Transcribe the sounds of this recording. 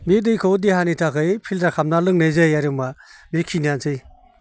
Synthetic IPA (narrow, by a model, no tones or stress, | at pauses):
midɯjkʰɯdiɦanitakʰɯjpʰiltakʰamnalɯŋnejzɯjaɾɯmamikʰiniansʰɯj